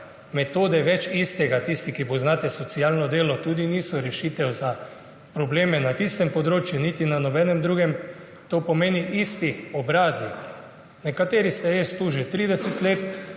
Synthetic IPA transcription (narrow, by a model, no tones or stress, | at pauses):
mɛt̪oːd̪ɛʋɛt͡ʃist̪ɛɡat̪ist̪ikiboznaːt̪ɛsɔt̪siaːlnɔd̪eːlɔt̪uːd̪iniːsɔɾɛʃiːt̪ɛwza | pɾɔbleːmɛnat̪ist̪ɛmpɔd̪ɾoːt͡ʃjunit̪inanɔbɛːnɛmd̪ɾuːɡɛm | t̪opɔmeːniʔist̪iɔbɾaːzi | nɛkat̪eːɾist̪ɛjest̪uːʒit̪ɾiːd̪ɛsɛt̪leːt̪